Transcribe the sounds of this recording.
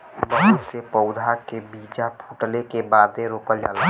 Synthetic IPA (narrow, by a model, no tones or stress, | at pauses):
bəɦsepəʊd̪ʱakebid͡ʒapʰuʈlekebad̪eɾoːkəld͡ʒa̰l